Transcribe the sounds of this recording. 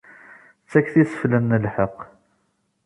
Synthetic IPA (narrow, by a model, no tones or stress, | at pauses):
t͡sːækːθisə̥flənːəlħəqː